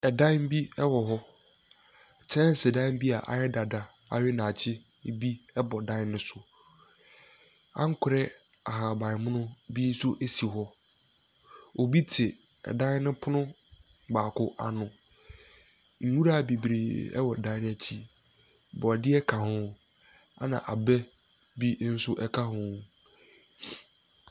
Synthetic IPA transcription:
ɛ˨dã˦m˦bi˦ɛ˦wɔ˨ɦɔ˦ | t͡ɕʰɛ̃˦n˦sɪ˨dã˦m˦bi˦a̰˨ʔa̰˨jɛ˦da˨da˨ | a̰˨ɥɪ˦nã˨t͡ɕʰɪ˦ | bi˦ɛ˦bɔ˨dã˦ɪ˦nːʊ̃˦sʊ˨ | ã̰˦ŋ̩˦kʰʊ˨ɾɛ˦ | a˨ɦa˨bã˨ɪ˨mʊ̃˦nʊ̃˦bi˦sʊ˦ʔe˦si˨ɦɔ˦ | o˨bi˦tʰɪ˨ | ɛ̰˨dã˦ɪ˦nɪ̃˦pʰʊ˦nʊ̃˦ | baː˨kʰʊ˦ʔa̰˨nʊ̃˨ | ŋ̩˨wu˦ɾa˦˨bi˨bɾḛː˨ɛ̰˦wɔ˨dã˦nʊ̃˦æ˨t͡ɕʰi˦ | bɔ˨dɪ˦ɛ˦kʰã˨hʊ̃˦ | a̰˦nã̰˨ʔa˨bɛ˦ | bi˦n̩˦sʊ˦ʔɛ˦kʰa˦ɦʊ̃˨

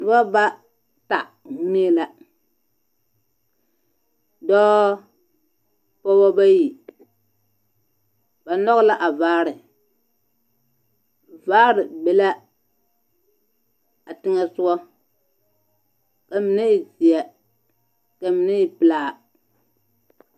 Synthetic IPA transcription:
n˨ba˦ba˦ | ta˨˦ | ne˦la˦ | dɔː˦ | pɔ˦bɔ˦ba˦ji˨ | b̥a˨nɔ˦ɣla˦ʔa˨vaː˦ɾɪ˨ | vaː˦ɾɪ˨bɛ˨la˦ | a˨tɪ˦ŋɛ˦sʊ˦ɔ˦ | ka˨mi˨ne˦i˨zi˨ɛ˨ | ka˨mi˨ne˦ji˨pɪ˨laː˨

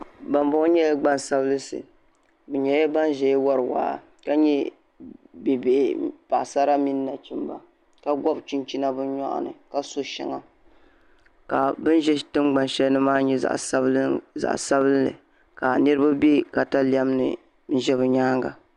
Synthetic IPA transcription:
ba˨mbʊ˦ɲɛ˦jɡ͡ba˦n˨sa˦bɨ˦lɨ˦sɨ̰˨ | bɨ˨ɲɛ˨˦jba˦n˦ʒɛ˨jwa˦ɾɨ˨wa̰ː˨˦ | ka˦ɲɛ˦ | bi˨be˨ʔpa˨ʔsa˦ɾa˦mi˦nː˦a˨t͡ʃi˦mba̰˨ | ka˦ɡʷɔ˦bt͡ʃi˦nt͡ʃi˦na˦bɨ˦n˦ɲɔ̰˦ʔa̰˨nɨ̰˨ka˦so˦ʃɛ̰˨ŋa̰˨ | ka˨bɨ˦n˦ʒɛ˦˨tɨ˦mɡ͡ba˨nʃɛ˦lnɨ˦maː˦ɲɛ˦za̰˨ʔza̰˨ʔsa˦bɨ˦llɨ̰˨ | ka˨nɨ˦ɾɨ˦ba˦be˦ka˨ta˦li˦a˦m˦nɨ̰˨ | n̩˦ʒɛ˦βɨ˨ɲaː˦ŋɡa̰˨

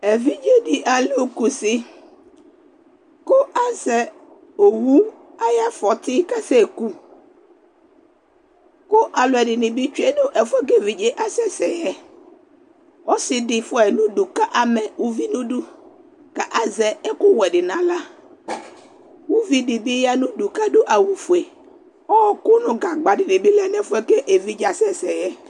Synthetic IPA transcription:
ɛ˨vi˦d͡ʒe˦dɪ˨ʔa˨lu˦˨ku˨sɪ˦ | kʊ˦ʔa˦zɛ˨ | o˨wu˦ | a˦ja˦fɔ˨tɪ˦ka˦sɛ˦˨ku˦ | kʊ˦ʔa˨lʊ˨ɛ˨dɪ˨nɪ̃˨bɪ˦t͡ʃe˦nʊ̃˦ʔɛ˨fɛ˦ɡe˨vi˨d͡ʒe˦ʔa˦sɛ˦sɛ˨jɛ˦ | ɔ˦sɪ˨dɪ˨fʊ˦ɛ˨nʊ̃˦du˨ka˦ʔa˨mɛ˨wu˦vi˦nũ˦du˦ | ka˨ʔa˨zɛ˨ɛ˦kʊ˦wɛ˨dɪ˨nã˨la˦ | wu˦vi˦dɪ˨bi˦ja˦nũ˦du˨ka˦dʊ˦ʔa˨wu˨fu˨e˨ | ɔ˦ɔ˨kʊ˦nʊ̃˨ɡa˨ɡ͡ba˨dɪ˨nɪ̃˨bi˦lɛ˦nɛ˨fʊ˦ɛ˦ke˦ʔe˨vi˦d͡ʒa˨sɛ˦sɛ˨jɛ˦

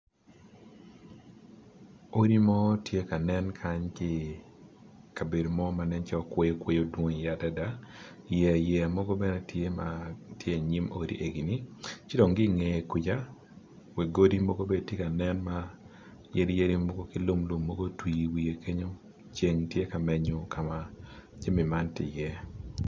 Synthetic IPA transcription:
o˦ɾi˦mɔ˦tje˦ka˨nɛ˦nkʰa˦ɲkɪ˦ | ka˨be˨do˨mɔ˦ma˨nɛ˦nt͡ʃɔ˦kwe˦jkwe˦jo˦dwo˦ŋja˦da˦da˦ | jɛ˨jɛ˨mɔ˦ɡo˦bɛ˦nɛ˦tje˦matje˦˨ɲi˦mo̰˦ɾḭ˦ʔe˨ɡi˨ni˦t͡ʃɪ˦dɔ˨ŋɡɪ˦ŋe˨e˨ku˨d͡ʒa˦ | we˨ɡo˦di˦mɔ˦ɡo˦be˨dtje˦ka˨nɛ˦nma˦ | je˦ɾi˦je˦ɾi˦mo˦ɡo˦kɪ˦lʊ˦mlʊ˨mːɔ˦ɡo˦twi˨wi˨je˨ke˦ɲo˦ | t͡ʃe˨ŋtje˦ka˨mɛ˦ɲo˦ka˨mad͡ʒe˦mɪ˨ma˦ntɪ̰˨jɛ˦

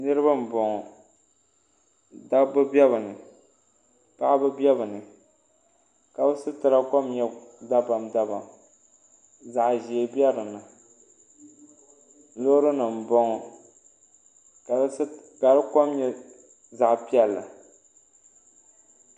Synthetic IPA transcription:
nɨ˦ɾɨ˦ba˦m̩˨bɔ˨ŋɔ˨ | da˦bɨ˦bɛ˦βɨ˨nɨ˨ | pa˦ʔbɨ˦bi˦ɛ˦bɨ˨nɨ˨ | ka˨bɨ˦sɨ˦tɨ˨ɾa˦ko˦mɲɛ˦da˦ba˨mda˦ba˨ | za˨ʔʒe˨bi˦ɛ˦ɾɨ˨na˨ | lo˦ɾɨ˦nɨ˨m̩˨bɔ˦ŋɔ˨˦ | ka˨ɾɨ˦ko˦mɲɛ˦ | za˨ʔpi˦ɛ˦lːa̰˨

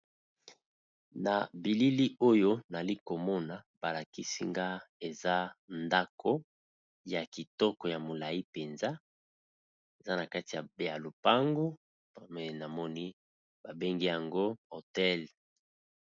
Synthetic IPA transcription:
na˨bi˨li˦li˦o˦jo˦na˨li˦ko˨mɔ˦na˨ba˨la˨ki˦sḭ˦ŋɡa˦e˨za˦nda˦kʰo˦ | ja˨ki˨tɔ˦kɔ˨ja˨mo˨la˨ji˦pe˨nza˦ | e˨za˦na˨ka˦ti˨ja˨bja˨lo˨pa˦ŋɡo˦ | mɛ˨na˨mɔ˦ni˦ | b̥a˨be˦ŋɡi˦ja˨ŋɡo˦o˨tɛ˦l

